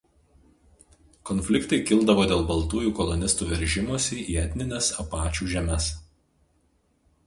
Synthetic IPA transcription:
kɔnʲfʲlʲɪkt̪ɐɪkʲɪlˠd̪ɐʋoːd̪ʲeːlˠbɐlˠt̪uːjuːkɔlˠɔnʲɪst̪uːʋʲɛɾʲʒʲɪmoːsʲiiːɛt̪ʲnʲɪnʲesɐpɑːt͡ʃʲuːʒʲɛmʲɛs

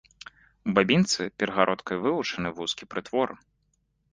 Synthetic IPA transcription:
ubabʲint̪sɨpʲɛɾɐɣaɾʔɔt̪kɐjvɨvut͡ʂɐnɨvuskʲipɾɨt̪vɔr

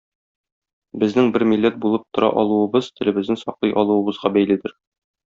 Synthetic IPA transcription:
bɘ̆znɘŋbɘɾmilːæt̪̚bulˠɤp̚t̪ŏɾɑ̰ʔɒlˠuɤ̆bɤz̥t̪ʰɘ̆lɘ̆bɘ̆znɘnsɒqlˠɤjʔɒlˠuɤ̆bɤ̆zʁɑbæjlid̪ɘɾ

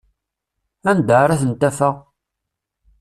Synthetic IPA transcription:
ænd̪əɾaθənt̪ːæfə

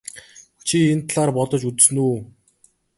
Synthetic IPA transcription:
t͡ɕʰient̪ʰɮaːrpɔt̪ɞ̆t͡ɕut͡s̆s̆nuː

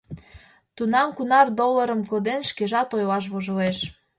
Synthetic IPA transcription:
t̪unɑmkunɑrd̪olːəɾəmkod̪enʃkeʒɑt̪ojlɑʃ̬βoʒə̆leʃ

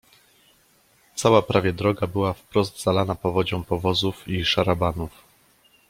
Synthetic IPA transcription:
t̪sawapɾʔavʲjɛd̪ɾɔɡabɘwafpɾɔzd̪z̥alanapɔvɔd͡ʑɔ̃w̃pɔvɔzufiʂaɾabanuf

